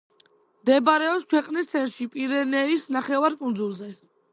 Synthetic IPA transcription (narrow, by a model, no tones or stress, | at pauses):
md̪ɛbaɾɛɔpskʰwɛqʼnist̪sʰɛnʃipʼiɾɛnɛisnaχɛvaɾkʼund̪zulˠzɛ